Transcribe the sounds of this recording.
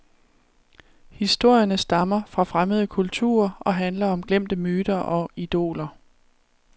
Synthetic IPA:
hisd̥o̝ɐ̰jɐnəsd̥ɑ̈mɐfʁɑ̈fʁaməð̞ˠəkʰult͡sʰṵːɐʔɒ̽ɦænlɐɒ̽mɡ̥lem̰d̥əmyːd̥ɐʔɒ̽id̥o̝̰ːlɐ

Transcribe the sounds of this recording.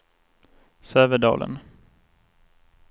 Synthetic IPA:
søːvəɖɑ̰ːlʔə̰n

